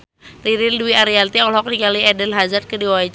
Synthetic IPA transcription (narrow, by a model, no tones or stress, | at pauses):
riɾilduiaɾialt̪iɔlɦɔk̚dikaliɛdənɦazat̪̚kədiwait͡ʃ